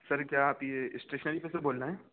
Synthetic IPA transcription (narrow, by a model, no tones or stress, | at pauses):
sɐɾkjaːaːpjeɪsʈɾeːʃənəɾipeseboːlnaɦɛː